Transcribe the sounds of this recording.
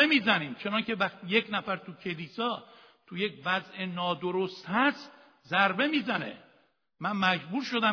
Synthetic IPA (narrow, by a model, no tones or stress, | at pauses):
emiːzæniːmt͡ʃʰe̞nɒncʰe̞væχt̪ije̞cnæfæɾt̪ʰucʰe̞liːsɒː | t̪ʰuje̞cvæzʔenɒːd̪oɾost̪hæst̪ | zæɾbe̞miːzænḛ | mænmæd͡ʒbuːɾʃo̞d̪æ